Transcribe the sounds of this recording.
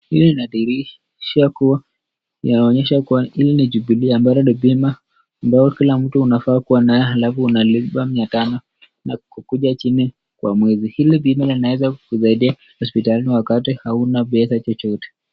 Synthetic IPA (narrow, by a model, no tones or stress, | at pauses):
hilininaiɾi | ʃakua | inaɔɲɛʃakuwailiniʄuɓiliambaɾaɗibimaː | mbaɔkilam̩tuunafaːkuwanajɛalafuunaliɓamɲatanɔ | nakukuʄat͡ʃini | kwa̰mwɛzihilibimalinawɛzakuzaiɗia | hɔspitaliliwakatihaunaɓɛsat͡ʃɔt͡ʃɔtɛ̥